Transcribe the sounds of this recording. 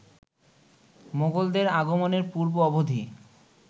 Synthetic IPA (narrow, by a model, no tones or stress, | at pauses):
moɡold̪eɾaɡomoneɾpuɾboɔbod̪ʱi